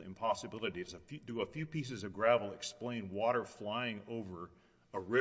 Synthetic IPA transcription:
ɪ̰̃mpʰɑsɨbɪlˠɨɾiɨsɨfdəəfjʉpis̬ɨzʌvɡɹævl̩ˠɨksplẽɪ̃nwɔɾə˞flaɪɪ̃ŋoʊvə˞ | əɹɪ

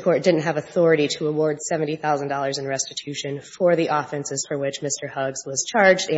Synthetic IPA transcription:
kʰɔɹt̚d̥ɪdⁿn̩t̚ɦɨvɨθɔɹɨɾiɾəəwɔɹd̥sɛṽn̩tiθaʊz̃n̩dɔlˠə˞zɨ̃nɹɛstɨtʰʉʃɨ̃nfə˞ðiʔɔfɛ̃nsɨz̥fə˞wɪt͡ʃmɪstə˞hʌɡz̥wʌz̥t͡ʃʰɑɹd͡ʒdɨ̃

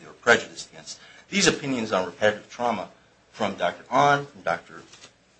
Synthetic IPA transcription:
ə˞pʰɹ̥ɛd͡ʒɨɾɨsɡɛ̃ns | ðizɨpʰɪ̃njɨ̃nzn̩ɹɨpʰɛɾɨɾɨv̥tʰɹ̥ɑmə | fɹʌ̃mdɑk̚tə˞ʔɑ̃ñn̩dɑk̚tʰə˞

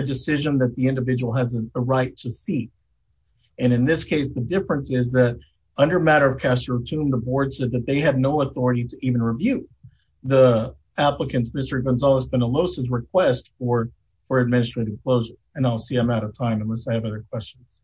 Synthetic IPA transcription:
ɨdɨsɪʒɨ̃nðɨt̪̚ðiɪ̃ndɨvɪd͡ʒəwl̩ˠɨzɨðəɹaɪtʰɨsik̚ | ɨ̃nɨ̃nðɪskʰeɪsðɨdɪfɹɨ̃nsɪzðɨɾ | ʌ̃ndə˞mæɾə˞ʌv̥kʰæstə˞ɨtʰʉ̃mðəbɔɹdz̥sɛd̪̚ðɨt̪̚ðeɪɨdⁿnoʊəθɔɹɨɾiɾɨʔiṽn̩ɹivjʉ | ði | æpləkɨ̃nsmɪstə˞ɡɨ̃nzɑlˠəsbɨ̃nəloʊsɨzɹɨkʰw̥ɛstfə˞ | fə˞ɨd̚mɪ̃nɨstɹ̥eɪɾɨv̥kʰl̥oʊʒə˞ | ɨ̃naɪlˠsiãmaʊɾʌv̥tʰãɪ̃mɨ̃nləsaɪɨvʌðə˞kʰw̥ɛst͡ʃn̩z̥

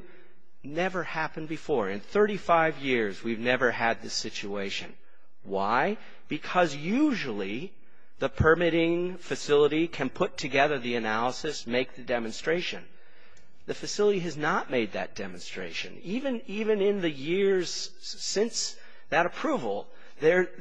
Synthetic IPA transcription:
nɛvə˞hæpɨ̃nbɨfɔɹɨ̰̃nθɜ˞ɾifaɪvjɪɹzwivnɛvə˞ɨd̪̚ðɪsɪt͡ʃʉeɪʃɨ̰̃n | waɪ | b̥ɨkʰʌzjʉʒl̩ˠi | ðəpʰə˞mɪɾɪ̃ŋfɨsɪlˠəɾikʰɨ̃npʰʊtʰɨɡɛðə˞ðiɨnælˠəsɨsmeɪk̚ðɨdɛmɨ̃nstɹ̥eɪʃɨ̃n | ðɨfɨsɪlˠəɾiɨznət̚meɪd̪̚ðɨ̰t̚d̥ɛm̃nstɹ̥ḛɪʃɨ̰̃nivɨ̃nivɨ̃nɪ̃nðɨjɪɹz̥ | sɪ̃ns | ðɨɾɨpʰɹ̥uvl̩ˠ | ðə˞

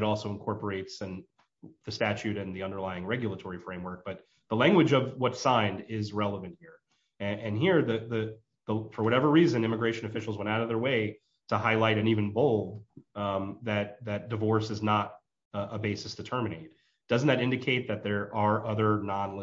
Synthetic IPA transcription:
ɾɔlˠsoʊə̃nkʰɔɹpə˞eɪtsɨ̃n | ðɨstæt͡ʃʉɾɨ̃nðiʌ̃ndə˞laɪɪ̃ŋɹɛɡjl̩ˠətʰɔɹifɹẽɪ̃mwɜ˞k̚b̥ʌt̪̚ | ðəlæ̃ŋɡwɨd͡ʒʌvwʌtsãɪ̃ndɪzɹɛlˠəvɨ̃nt̚hiɹ | ɨɨ̃nɦiɹðɨðɨ | ðəfə˞wʌɾɛvə˞ɹizɨ̃nɪ̃mɨɡɹeɪʃɨ̃nɨfɪʃl̩ˠzwɛ̃ñaʊɾʌvðə˞weɪ | ɾəhaɪlaɪɾɨ̃nivɨ̃nboʊlˠd | ðɨt̪̚ðɨt̚d̥ɨvɔɹsɨznəɾ | ʔəbeɪsɨsd̥ɨtʰɜ˞mɨneɪt̚ | d̥ʌzn̩ðɨɾɪ̃ndɨkʰeɪt̪̚ðɨt̪̚ðə˞ʔə˞ʔʌðə˞nɑ̃nl

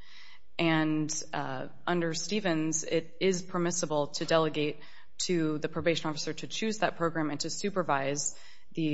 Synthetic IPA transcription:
ʔɨ̃n | ʔʌ̃ndə˞stivɨ̃nzɪɾɪz̥pʰə˞mɪsəbl̩ˠtʰɨdɛlˠəɡeɪtʰ | ɨðɨpʰɹ̥oʊbeɪʃɨ̃n̩ɔfə̥sə˞ɾʰɨt͡ʃʰʉzðɨt̚pʰɹ̥oʊɡɹæ̃mɨ̃ntʰɨsʉpə˞vaɪz | ðɨ

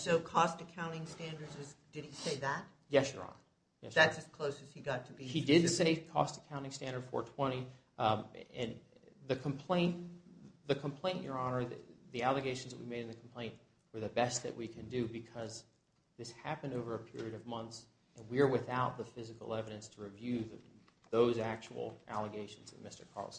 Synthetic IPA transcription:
soʊkʰɔstɨkʰãʊ̃ñɪ̃ŋstæ̃ndə˞dzɨzdɨd̚iseɪðæt̚ | jɛsjə̰˞ɑ̰̃n | jɛsðætsɨz̥kʰl̥oʊsɨz̥hiɡɑtʰɨiidɪdseɪkʰɔ̰stɨ̥kʰãʊ̃ñɪ̃ŋstæ̃ndə˞d̥fɔ̰ɹtʰw̥ɛ̃ɾ̃i | ɨ̃nðɨkʰmpʰl̥ẽɪ̃n | ðɨkʰə̃mpʰl̥ẽɪ̃nʔə˞ɑ̃nə˞ððiælˠɨɡeɪʃn̩zðɨʔ̚wimeɪɾɨ̃n̩ðɨkʰm̩pʰl̥ẽɪ̃nʔ | wə˞ðɨbɛst̪̚ðɨ̰ʔwikʰɨ̃ndɨbɨkʰʌz | ðɪshæpɨ̃ndoʊvə˞ɨpʰɪ̰ɹiɨɾʌvmʌ̃nθs | ɨ̃nwiə˞wɨθaʊt̪̚ðəfɪzɨkl̩ˠɛvɨɾɨ̃nstʰəɹivjʉððoʊzæk̚t͡ʃə̰l̩ˠʔæ̰lˠəɡeɪʃn̩zðɨ̰t̚mɪstə̥̰˞kʰɑ̰ɹlˠs

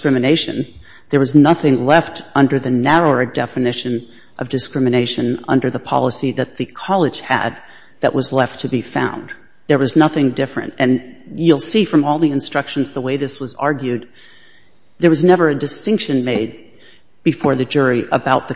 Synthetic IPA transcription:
kɹɪ̃mɨneɪʃɨ̰̃n | ðə˞wʌznʌθɪ̃ŋlɛftʌ̃ndə˞ðɨnæɹoʊə˞dɛfɨnɪʃɨ̃n | ʔʌvdɨskɹ̥ɪ̃mɨneɪʃɨ̃nʌ̰̃ndə˞ðəpʰɑ̰lˠəsiðɨt̪̚ðɨkʰɑlˠɨ̥ʒ̥ɨ̰d̪̚ | ðɨ̰ʔwʌzlɛftʰɨbifã̰ʊ̃nd | ðə˞wʌznʌθɪ̃ŋdɪfɹɨ̰̃ntɨ̃njulˠsifɹʌ̃mɔlˠðiɨ̃nstɹ̥ʌkʃɨ̃n̩zðəweɪðɪswʌzɑ̰ɹɡjʉd̪̚ | ðə˞wʌznɛvə˞ɨdɨstɪ̃ŋkʃɨ̃nmeɪd̚ | b̥ɨfɔɹðɨd͡ʒʊɹiʔə̰baʊt̪̚ðɨ

